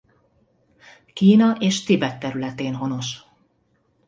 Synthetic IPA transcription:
kiːnɒʔeːʃt̪ibɛt̪ːɛɾylɛt̪eːnɦo̞no̞ʃ

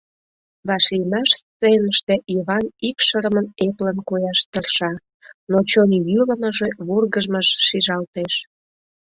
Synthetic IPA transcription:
βɑʃijmɑʃst͡senəʃt̪e̽ʔiβɑnikʃəɾəməneplənkojɑʃt̪ərʃɑ | not͡ɕonʲjyləməʒeβurɣəʒməʃːiʒɑlt̪eʃ

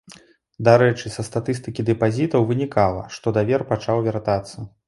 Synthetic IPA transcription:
d̪aɾɛt͡ʂɨsɐst̪at̪ɨst̪ɨkʲid̪ɨpazʲit̪ɐwvɨnʲikalˠɐ̰ʂt̪ɔd̪avʲɛrpat͡ʂawvʲart̪at̪sːɐ

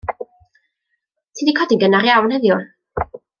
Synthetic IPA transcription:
tʰindikʰɔdɪŋɡənaɾjawnhəðjʊ

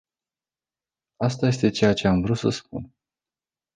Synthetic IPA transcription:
ast̪aje̞st̪e̞t͡ʃe̞jat͡ʃe̞amvɾut̪səspṵn

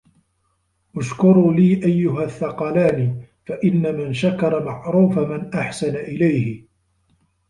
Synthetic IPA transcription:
ʔʊʃkʊɾuːliːʔajːʊɦaθːɑqɑlaːnifaʔɪnːamɪnʃakɑɾˤɑmaʕɾuːfamɪnʔaħsanaʔɪlajhɪ

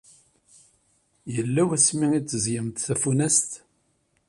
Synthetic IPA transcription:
jəlːæwæsmiit͡sːəzjəmt̪θæfunæst̪

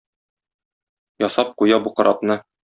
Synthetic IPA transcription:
jɒsɑp̚qujɑbuqɤ̆ɾʔɑpnɤ

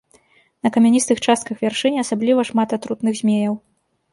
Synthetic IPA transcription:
nɐkɐmʲanʲist̪ɨxt͡ʂast̪kɐxvʲarʂɨnʲɛasablʲivɐʂmat̪at̪ɾut̪nɨɣzʲmʲejɐw

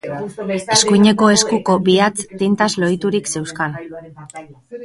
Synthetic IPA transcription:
e̞skujɲe̞ko̞e̞skuko̞biat͡st̪int̪azlo̞jt̪uɾikse̞wskan

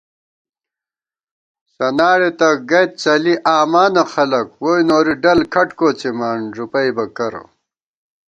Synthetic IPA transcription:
sɐnaːɾet̪ɐɡɐjt̪̚t͡sɐliʔaːmaːnɐxɐlɐkwoːjnoːɾiɖɐlkʰɐʈkoːt͡semaːnʐupɐjbɐkɐɾo̰

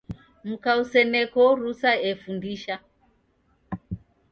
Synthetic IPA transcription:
m̩kausɛnɛkɔɾusaɛfundiʃa

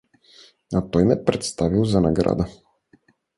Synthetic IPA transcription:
at̪ɔjnɛpɾɛt̪st̪avilˠzanaɡɾa̰d̪a

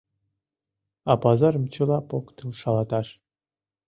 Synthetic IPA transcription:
ɑpɑzɑɾə̆mt͡ɕɤ̆lˠɑpokt̪ɯlˠʃɑlˠɑt̪ɑʃ

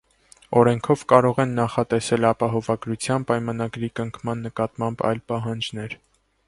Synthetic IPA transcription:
ɔɾɛŋkʰɔvkɑɾɔʁɛnːɑχɑt̪ɛsɛlɑpɑɦɔvɑɡɾut͡sʰjɑnpɑjmɑnɑɡɾikəŋkʰmɑnːəkɑt̪mɑmbɑ̰jlpɑɦɑnd͡ʒn̪ɛɾ

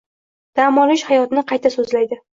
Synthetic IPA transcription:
d̪̥amɒlɪʃhajɒt̪ɪnɪqʰɑjt̪ʰasɵzlajd̪ɪ

